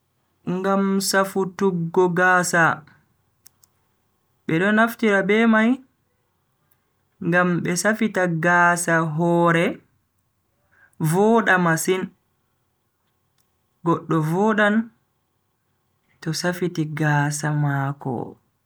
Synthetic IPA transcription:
ŋɡamsafutuɡːɔɡaːsa | ɓɛɗɔnaftiɾabɛmaj | ŋɡamɓɛsafitaɡaːsaɦɔːɾɛ | vɔːɗamasin | ɡɔɗːɔvɔːɗan | tɔsafitiɡaːsamaːkɔ̰

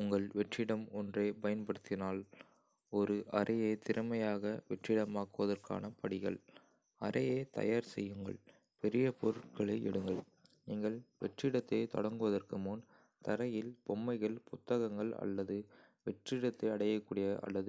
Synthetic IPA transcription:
ʊŋɡɐɭʋɛʈrɪɽɐmɔndreːpɐjɐnpɐɽɯt̪ːɪnaːl | ɔɾɯʔɐɾʔɐjeːt̪ɪɾɯmɐjaːɣɐʋɛʈrɪɽɐmaːkɯʋɐðɐrka̰ːnɐpɐɽɪɣɐɭ | ɐɾɐjeːt̪ɐ̰jaːɾsɛjːɯŋɡɐ̰ɭ | pɛɾɪjɐpɔɾɯʈ̚kɐɭeːʔɛ̰ɽɯŋɡɐɭ | niːŋɡɐɭʋɛʈrɪɽɐt̪ːeːt̪ɔ̰ɽɐŋɡɯʋɐðɐrkɯmʊn | t̪ɐɾɐjɪlpɔmːɐɪɣɐɭpʊt̪ːɐɣɐŋɡɐɭɐ̰lːɐðɯ | ʋɛʈrɪɽɐt̪ːɐɐɽɐjɐkːuːɽɪjɐʔɐ̰lːɐðɯ

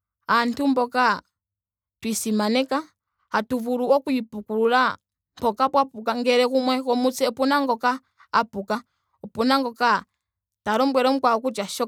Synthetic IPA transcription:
antumbɔka | twisimanɛka | hatuvuɾuɔkuipukuɾuɾa | mpɔkapwapuk̬aŋɡɛɾɛkumwɛkɔmut͡sɛupunaŋɡɔkaː | puka | upunaŋɡɔka | taɾɔmbwɛɾɔm̩kwaɔkut͡ʃaʃɔ

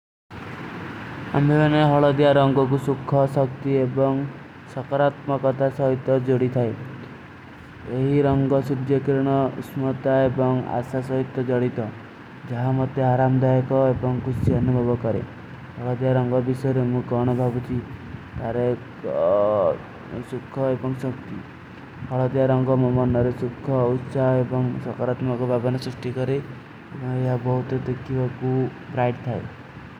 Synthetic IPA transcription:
a̰mbʱemaneɦɔɭɔd̪jaɾɔŋɡɔk̬usukʰːɔsɔk̚t̪iebɔŋ | sɔkɔɾat̪mɔkɔt̪ʰasɔɦit̪ːɔd͡ʒoɽit̪ʰae | eɦiɾɔŋɡɔsud̪jɔkɾɽ̃ɔusmɔt̪aebɔŋa̰sasɔɦit̪ːɔd͡ʒɔɽit̪ɔ | d͡ʒaɦamɔt̪ːɔaɾamɔd̪ajɔkɔebɔŋkusiɔnubʱɔbɔkɔɾḛ | hɔɭɔd̪jaɾɔŋɡɔbisɔjɔɾemũkɔɽ̃ɔbʱabut͡ʃʰit̪aɾe | sukʰːɔebɔŋsɔkt̪i | hɔɭɔd̪jaɾɔŋɡɔmɔmɔnɔɾesukʰːɔut̪ːsaɦebɔŋsɔkaɾat̪mɔkɔbʱabɔnɔsɾuʂʈikɔɾe | ebɔŋeɦabɔɦut̪ɔd̪ekʰibakubɾajʈt̪ʰae

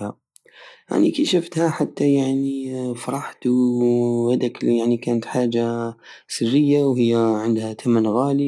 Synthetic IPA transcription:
a | ʔa̰nikaʃaft̪haħat̪ːajaʕnifɑɾˤɑħt̪ | had̪akljaʕnikaːnat̪ħaːd͡ʒasɪrːɪjːawhɪjːaʕɪnd̪hat̪ʰamanɣaːli

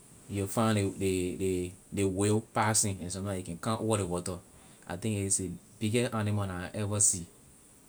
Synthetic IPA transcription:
jufãnedededewepasĩnɛ̃nsɔ̃tãjukɛ̃nkãnwɔɾewɔtɔ | ʔa̰tĩŋkise | b̥iɡɛanimanaʔɛvasi

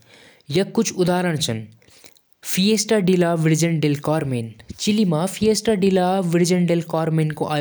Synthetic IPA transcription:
jɐkʊt͡ʃʰʊd̪aːɾəɽ̃t͡ʃʰɐn | fʰijeːsʈaɖilaːʋɪɾd͡ʒənɖelkaːɾmeːnt͡ʃɪlimaːfʰijeːsʈaɖilaːʋɪɾd͡ʒənɖelkaːɾmeːnkoʔaː

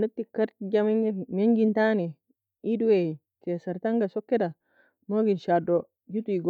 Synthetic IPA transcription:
nutːikaɾtid͡ʒammeŋɡintani | iduwe | tesaɾtaŋɡasɔkːɛda | noɡinʃado | d͡ʒutuiɡo

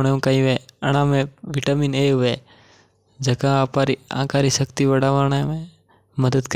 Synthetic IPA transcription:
ɳeũkaĩʋeəɽ̃ãːmẽʋiʈaːmineʋe | d͡ʒəkãpaɾiã̰ːkaɾiʃəkt̪iʋəɽaʋəɳmẽ | məd̪əd̪k

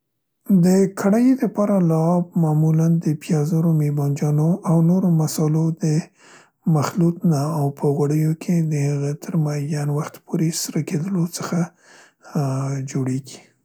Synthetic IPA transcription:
d̪əkʰaɽajd̪əpɑɾalɑːb̚mamuland̪əpjɑzaɾomebɑnd͡ʒɑnoʔawnoɾomasɑlod̪ə | maxlut̪naːwpʰəɣwaɽəjokʰed̪əhəɣət̪ʰəɾmajanwaxt̪pʰoɾesɾəked̪əlot͡səxa | d͡ʒoɽeɡi̥

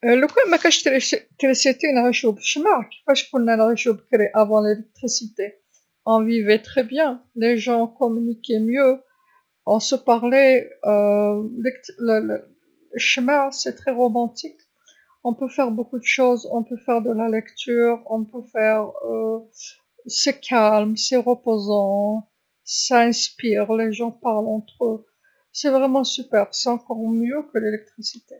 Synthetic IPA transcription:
ələkumakaʃt̪elet̪ɛleset̪ɛynʁeʃobʃəmaʁki̥kaʃkunanʁeʃobklɛʔavɑ̃lelɛk̚t̪χisit̪e | ɑ̃vivɛt̪χɛbjɛ̃leʒɑ̃kɔmynikʲɛmjø | ɔ̃səpaʁleøɛkt̪ləl | ləʃəmaʁsɛt̪χɛʁɔmɑ̃t̪ik | ɔ̃pøfɛʁbokud̪əʃozɔ̃pøfɛʁd̪əlalɛkt̪yːʁɔ̃pøfɛʁø | sekʰalmseʁəpozɑ̃ | saɛ̃spiʁleʒɑ̃paʁlɑ̃t̪χø | sɛvʁɛmɑ̃sypɛʁsɛɑ̃kɔʁmjøkəlelɛk̚t̪χisit̪e

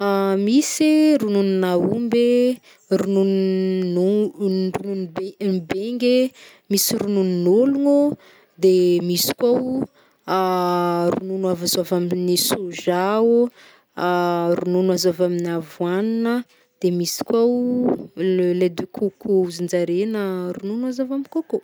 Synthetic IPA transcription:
amisiɾununinaumbe | rununn | rununbeŋɡe | misiɾunununoluŋu | d̪emisi̥kwaw | rununavazavaminisuʒa | ɾununazavaminavwaninə | d̪̥emisi̥kʲwaw | led̪ekʰukuuzind͡ʒaɾenəɾununazavamikoko

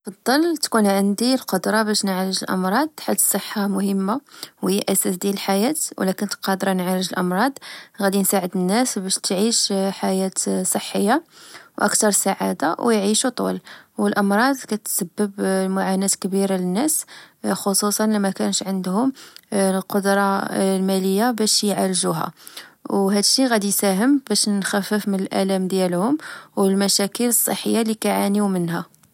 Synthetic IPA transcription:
ɑd̪ˤːɑlt̪kunʕənd̪ilqod̪ɾˤɑbæʃnʕɾəʒəlʔɑ̰mɾˤɑd̪̚ˤħat̪ːsˤːəħːamʊhəmːawjːiʔæsæsd̪æləlħajæt̪w̰lækʊnt̪qɑd̪ɾˤɑnʕaɾəʒəlʔɑmɾˤɑd̪ˤɣæd̪insaʕəd̪ənːæsbæʃt̪ʕiʃħajæt̪sˤəħːəjːawʔə̰kt̪ɑɾˤsaʕad̪awjʕiʃut̪ˤṵlwəlʔɑmɾˤɑd̪ˤkæt̪səbːəblmʊʕanæt̪kbiɾalənːæsxosusˤɑnlimækænəʃʕənd̪hʊmlqod̪ɾˤɑlmæləjːabæʃjʕaɾʒuɦæ̰wɦæd̪əʃːiɣæd̪isæɦəmbæʃnxæfːəfmənəlʔæ̰læmd̪jælhʊmwəlmæʃækələsˤːə̰ħːəjːalikæʕaniwmənɦæ

